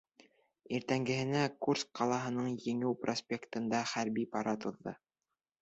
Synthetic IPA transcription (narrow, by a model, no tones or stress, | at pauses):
iɾt̪æŋɡɘ̆hɘ̆nækursqɑlˠɑɦɤ̆nɤɴjɘ̆ŋɘwprosʲpʲekt̪ɤ̆nd̪ɑχæɾbipɑɾɑt̪ŏðːɤ̰